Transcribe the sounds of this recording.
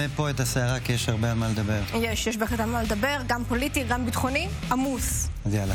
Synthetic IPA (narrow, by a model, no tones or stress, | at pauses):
epo̞et̪aseaʁakijeʃaʁbeamaled̪abeʁjeʃjeʃbeχletalmaled̪abe̞ʁɡampo̞litiɡambit̪χoni | ʔamusazjal